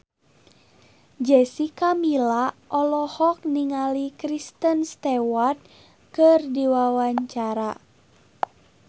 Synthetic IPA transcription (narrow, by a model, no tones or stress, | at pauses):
d͡ʒɛsikamilaʔɔlɔhɔk̚niŋalikɾist̪ənst̪ɛwat̪̚ | kɨrdiwawaɲt͡ʃaɾa